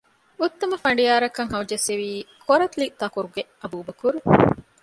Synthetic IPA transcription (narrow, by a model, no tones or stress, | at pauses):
ut̪ːɐmɐfɐɳ̆ɖijaːɾɐkɐŋɦɐwd͡ʒeseʋiːkʰoɾɐt̪liʔt̪ɐkuɾuɡeɐbuːbɐkuɾu